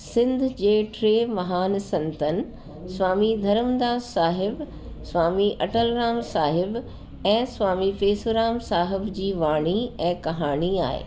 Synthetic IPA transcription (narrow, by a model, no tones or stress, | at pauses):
sɪ̃nd̪ʱd͡ʑeːʈɾeːmɐɦaːnsɐ̃nt̪ənɪ̆ | sʋaːmid̪ʱɐɾəmd̪aːzsːaːɦɪb | sʋaːmiʔɐʈəlɾaːmsaːɦɪb | ɛ̃ːsʋaːmifeːsoɾaːmsaːɦɪbd͡ʑiːʋaːɽ̃iɛ̃ːkɐɦaːɽ̃ia̰ːɦḛː